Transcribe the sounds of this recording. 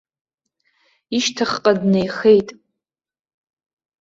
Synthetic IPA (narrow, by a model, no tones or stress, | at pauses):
iʃtʰaχqʼadnejχe̞jtʼ